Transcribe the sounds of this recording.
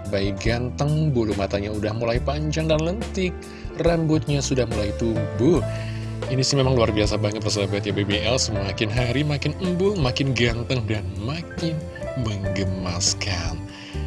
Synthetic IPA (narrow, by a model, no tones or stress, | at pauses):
baiɡant̪əŋbulumat̪aɲaudahmulajpaɲd͡ʒaŋdanlənt̪ɪk̚ | rambʊt̪̚ɲasudahmulajit̪ubʊh | inisɪmemaŋluarbiasabaŋət̪̚bərs̬aabat̪̚jabebeʔɛlsəmakɪnɦaɾimakɪnəmbʊlmakɪnɡant̪əŋdanmakɪn | məŋɡəmaskan